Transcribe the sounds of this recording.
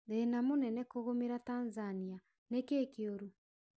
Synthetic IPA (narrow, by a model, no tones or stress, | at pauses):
ðenamonɛnɛkoɣomeɾatanzania | nekeːkioɾu